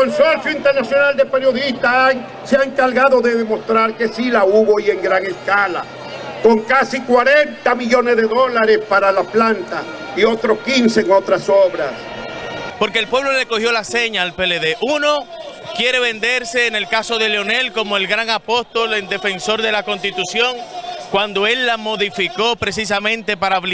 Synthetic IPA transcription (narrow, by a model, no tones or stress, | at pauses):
konsoɾsjoint̪eɾnasjo̞nald̪epe̞ɾjo̞ðist̪a | seaŋkaɾɣaðo̞ðeðemo̞st̪ɾaɾke̞silauβoje̞ŋɡɾaŋe̞skala | ko̞ŋkasikwaɾent̪amiʝo̞ne̞zðeðo̞laɾe̞spaɾalaplant̪a | io̞t̪ɾoskinseːŋo̞t̪ɾasoβɾas | po̞ɾke̞ːlpweβlo̞le̞ko̞hjo̞lase̞ɲaːlpe̞leðe̞ʔuno̞ | kje̞ɾe̞βe̞nd̪e̞ɾse̞ːne̞lkaso̞ðe̞leo̞ne̞lko̞moelɡɾaŋapo̞st̪o̞lend̪e̞fe̞nso̞ɾðe̞lako̞nst̪it̪usjo̞ŋkwand̪o̞e̞lːamo̞ðifiko̞pɾe̞s̬is̬amẽnt̪e̞paɾaβl